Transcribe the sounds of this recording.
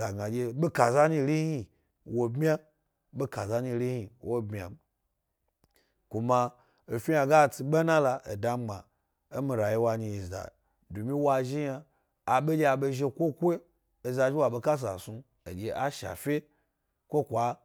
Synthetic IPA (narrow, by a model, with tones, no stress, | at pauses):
a˨ɡa˨d͡ʒʲe˧ɓe˦ka˨za˦ɲi˧ɾi˦hi˧ | wo˨bmʲ˦a˦ | ɓe˦ka˨za˧ɲi˧ɾi˦hi˨wo˦bmʲ˨a̰˨m | kʷu˨ma˧ | o˨fʲi˦ja˧ɡa˦˨t͡si˧ɓa˦nã˦la˧ʔḛ˨da˦ɡ͡ba̰˨ | e˦mi˧ɾa˨ji˦wa˧ɲi˧i˨za̰˨ | du˨mi˦wa˧ʒi˦jaː˧˨ | ɓe˦d͡ʒʲe˦a˨ɓe˧ʒe˧kʷo˦kʷo˦ | e˨za˧d͡ʒi˦wa˨ɓe˧ka˦s̬a̰˨su˧ | ḛ˨d͡ʒʲe˨a˦ʃa̰˨fʲe˦ | kʷo˦kʷa˨˦